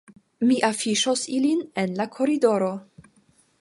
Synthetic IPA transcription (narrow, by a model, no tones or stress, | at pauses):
miʔafiʃosilinenlakʰo̞ɾido̞ɾo̞